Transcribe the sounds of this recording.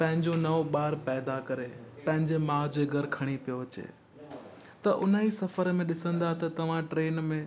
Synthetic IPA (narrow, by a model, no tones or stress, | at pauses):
pɐ̃ɦɪ̃ɲd͡ʑonɐʋoɓaːɾpɛːd̪akɐɾepɐ̃ɦɪ̃ɲd͡ʑemãːd͡ʑeɡʱɐɾkʰɐɽ̃ipijoɐt͡ɕḛː | t̪ɐʔʊnisɐfəɾmẽɗɪsə̃nd̪aɦt̪ɐt̪ɐʋ̤ãʈɾeːnmẽ